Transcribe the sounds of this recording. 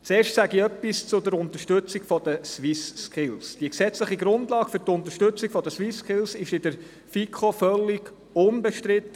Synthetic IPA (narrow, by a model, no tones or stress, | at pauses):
t͡seːɾʃtsæɡiœpːist͡sʊd̪əɾʊnt̪əʃtʉt͡siɡfɔd̥̪əswɪskʰɪlsd̥iəksɛt͡sləχiɡɾʊndlɑːɡ̥fʏɾtʊnt̪əɾʃtʏt͡sikfɔd̪əswiskʰɪlsɪʃɪdəɾ | fikʰofœlːiɡ̥ | ʊnbɛʃtɾɪt̪ːə